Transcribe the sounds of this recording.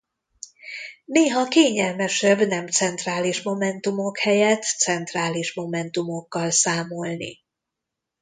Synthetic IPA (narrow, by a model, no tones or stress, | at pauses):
neːɦɒkeːɲɛlmɛʃɛbnɛmt̪sɛnt̪raːliʃmo̞mɛnt̪umo̞khɛjɛt̪sɛnt̪raːliʃmo̞mɛnt̪umo̞kːɒlsaːmo̞lnḭ